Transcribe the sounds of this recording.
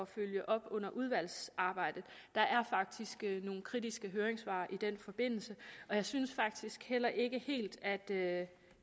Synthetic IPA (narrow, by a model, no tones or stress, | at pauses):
ɒføl̰jəʔɒ̽b̥ɔ̽n̰ɐʔuð̞ˠʋæl̰sɑ̈ːb̥ɑ̈ɪ̰d̥ð̩ˠ | d̥ɑ̈ʔæɐfɑ̈ɡ̥̚d̥isɡ̥əno̝ːn̩kʰʁid̥isɡ̥əɦøːɐeŋsʋɑ̰̈ːʔid̥en̰fɒ̽b̥e̝n̰l̩səɒ̽jɑ̈ɪsynsfɑ̈ɡ̥̚d̥isɡ̥hel̰ɐʔe̝ɡ̥əhe̝̰ːld̥æd̥ø